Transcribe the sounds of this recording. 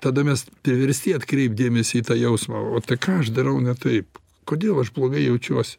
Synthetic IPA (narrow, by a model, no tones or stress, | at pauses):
t̪ɐd̪ɐmʲɛspʲɾʲɪʋʲɛɾʲsʲt̪ʲiːɐt̪kɾʲɛɪp̚d̪ʲeːmʲɛsʲɪit̪ɑːjɛʊsmɑ̰oːt̪ɐɪkɑːɐʃd̪ɐɾɐʊnʲɛt̪ɐɪp | koːd̪ʲeːlˠɐʃblˠoːɡɐɪjɛʊt͡ʃʲuɔsʲɪ̥